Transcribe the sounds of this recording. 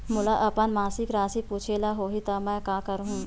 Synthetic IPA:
mʊlaʔɐpənmaːsɪkɾaːsipuːt͡ʃʰelaɦoːɦit̪amɛ̃ːkãːkɐɾɦũː

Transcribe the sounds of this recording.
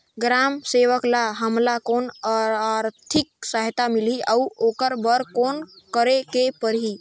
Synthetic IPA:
ɡɾamseʋəklaɦəmlakonaɾt̪ʰik̚səɦt̪amiliʔauokəɾbəɾkon | kəɾekepəɾɦi

